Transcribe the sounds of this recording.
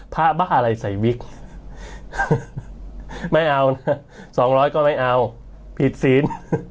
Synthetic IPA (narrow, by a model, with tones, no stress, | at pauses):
pʰa˦˥baː˥˩nʔa˧ɾa˧jsa˨˩˦jwi˦˥k̚ | ma˥˩jʔa˧wna˦˥ | sɔː˩˦ŋɾɔː˦˥jkɔː˥˩ma˥˩jʔa˧w | pʰi˨˩t̪̚siː˩˦n